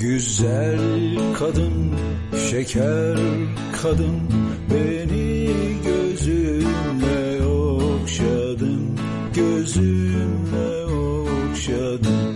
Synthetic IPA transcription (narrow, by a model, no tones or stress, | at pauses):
ɟyzælʲkʰad̪ɯn | ʃecʰæɾ | kʰad̪ɯn | beniɟøzymlɛokʃad̪ɯm | ɟøzymlɛ | o | kʃa | d̪ɯm